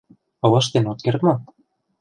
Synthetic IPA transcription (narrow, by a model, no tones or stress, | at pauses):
ɤ̆lɤ̆ʃt̪enot̪̚kert̪mo